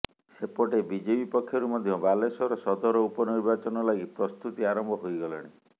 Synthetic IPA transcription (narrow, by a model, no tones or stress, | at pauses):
sepɔʈebid͡ʒebipɔkʰːjɔɾumɔd̪ʱjɔbalesɔɾɔsɔd̪ɔɾɔupɔniɾbat͡ʃɔnɔlaɡipɾɔst̪ut̪iaɾɔmbʱɔɦojɡɔlɔɽ̃i